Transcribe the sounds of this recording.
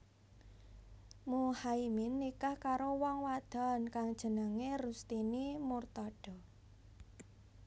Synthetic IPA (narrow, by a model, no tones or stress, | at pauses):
muhaiminːikahkaɾowɔŋwad̪̥ɔ̤nkaŋd̥ʒ̥ə̤nəŋerust̪inimurt̪ɔɖ̥ɔ̤